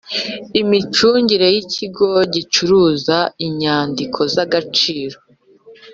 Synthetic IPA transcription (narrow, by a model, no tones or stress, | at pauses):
imit͡ʃuːɲɟiɾe̞jicʰiɡo̞ɟit͡ʃuɾuːzaiɲaːndikʰo̞zaɡat͡ʃiːɾo̞